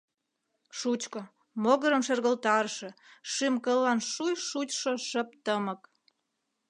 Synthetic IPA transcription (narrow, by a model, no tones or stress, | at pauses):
ʃut͡ɕkŏ | moɣəɾə̆mʃerɣə̆lt̪ɑrʃĕʃɨmkəlɑnʃujʃut͡ɕʃoʃə̆p̚t̪əmə̆k